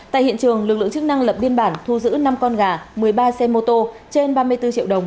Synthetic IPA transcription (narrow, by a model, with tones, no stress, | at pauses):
t̪a̰ː˧˨jhḭ˧˨ənt͡ɕɨ˨˩əŋlɨ˨˩k̚lɨ̰˧˨ə˨ŋt͡ɕɨ˦˥k̚na˧ŋlə˨˩p̚ɓi˧ənɓaː˧˩nt̪ʰu˧zɨ̰˧˥na˧mkɔ˧nɣaː˨˩mɨ˨˩əjɓaː˧sɛ˧mo˧t̪o˧t͡ɕe˧nɓaː˧mɨ˧əjt̪ɨ˧t͡ɕḭ˧˨əwɗə˨˩wŋ͡m